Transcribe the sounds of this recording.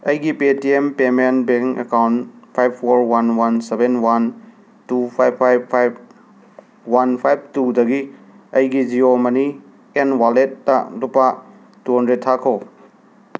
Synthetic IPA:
ɐjɡipetiempemenbeŋkḛkawntpʰajbʰːoɾwanwansebenwan | tupʰajbʰajbʰajb̚ | wanpʰajb̚tudɐɡi | ɐjɡid͡ʒiɾomɐni | enwalet̚ːalupːa | tuɦɔndɾet̚tʰːakʰo

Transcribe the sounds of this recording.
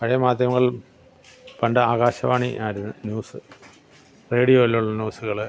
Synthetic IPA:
pɐɻɐjɐmaːd̪jɐmɐɣɐɭ | pɐɳɖɐaːɣaːɕɐʋaːɳiʔaːɾunːɨnjuːsɨ | reːɽijo̞ːilːuɭːɐnʲjuːsuɣɐɭ

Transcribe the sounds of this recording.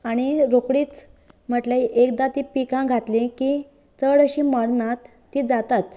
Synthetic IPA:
aɽ̃iɾokɽiːt͡s | m̤əʈleʔekd̪at̪ipikãɡʱat̪lĩki | t͡səɽəɕiməɽnat̪ːiːd͡zat̪at͡s̪

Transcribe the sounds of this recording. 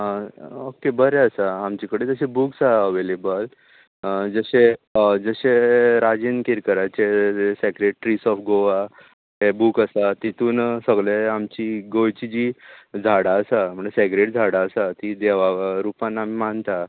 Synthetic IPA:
okebəɾeəsaːmt͡ɕikəɽet̪əɕebuːksaəʋelebəl | d͡zəɕed͡zəɕeɾad͡ʑinkiɾkəɾat͡ɕeeseɡɾeʈʈɾisɔfɡoʋa | ɦebuːkəsat̪it̪uːnsəɡɭeamt͡ɕiɡojt͡ɕid͡ʑid͡zʱaɽaəsam̤əɳd͡zeseɡɾeʈd͡zʱaɽaəsat̪id̪eʋaɾupãnːamimant̪a

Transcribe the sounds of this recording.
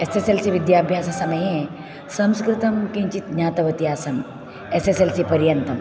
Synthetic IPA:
eseselsiʋid̪jaːbʱjaːsɐsɐmɐjẽ | sɐ̃mskɾɪt̪ɐmkẽɲt͡ɕit̪ɲaːt̪ɐʋɐt̪iaːsɐm | eseselsipɐɾjɐnt̪ʰɐm

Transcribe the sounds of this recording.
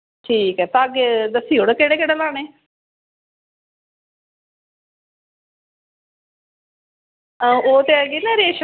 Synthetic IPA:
ʈʰiːkɛːt̪aːɡed̪əsiːoɽekeːɽeːkeːɽeːlaːɽ̃eː | oːt̪eɡɪnaɾeːʃ

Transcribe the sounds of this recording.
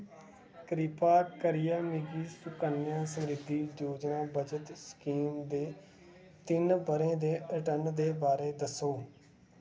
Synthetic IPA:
kɾɪpaːkəɾɪjaːmiɡiːsʊkənjãːsəmɾɪd̪ːiːd͡ʒoːd͡ʒnãːbəd͡ʒət̪skiːmd̪eː | t̪ɪnbəɾẽːd̪eːəʈəɾnd̪eːbaːɾeːd̪əsoː

